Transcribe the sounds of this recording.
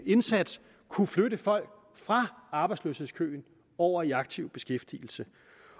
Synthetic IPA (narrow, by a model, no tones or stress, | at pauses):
e̝nsæd̥s | kʰuflødəfɒ̽l̰ɡ̥̚ | fʁɑ̈ɑ̈b̥ɑ̈ɪdslø̰she̝ðˠskʰø̰ːn | ɒʊ̰ɐiɑ̈ɡ̥̚t͡sʰiʊ̰b̥e̝sɡ̥efd̥il̩sə